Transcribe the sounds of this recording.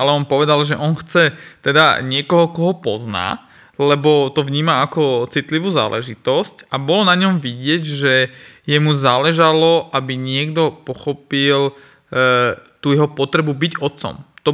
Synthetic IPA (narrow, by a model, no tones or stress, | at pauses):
alɛɔnpɔʋɛd̪alʒɛʔɔnxt͡sɛt̪ɛd̪a̰ɲɪɛkɔɦɔkɔɦɔpɔ̰zna̰ː | lɛbɔt̪ɔʋɲiːmaakɔt͡sit̪liʋuːza̰ːlʔɛ̰ʒit̪ɔscabɔlɔnaɲɔmʋiɟɪɛɟʒɛjɛmuzaːlɛʒalɔʔabiɲɪɛɡd̪ɔpɔxɔpil | t̪uːjɛɦɔpɔt̪ɾɛbubiɟɔt̪t͡sɔ̰mt̪ɔ